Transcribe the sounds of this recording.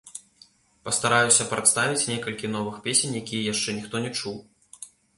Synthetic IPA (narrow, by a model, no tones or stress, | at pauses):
pɐst̪aɾajusʲɐpɾat̪st̪avʲit͡sʲnʲɛkɐlʲkʲinɔvɨxpʲesʲenʲjakʲijɐjaʂt͡ʂɛnʲixt̪ɔnʲɛt͡ʂuw